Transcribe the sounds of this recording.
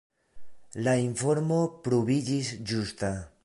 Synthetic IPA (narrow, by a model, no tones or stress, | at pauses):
laiɱfo̞ɾmo̞pɾovid͡ʒisd͡ʒusta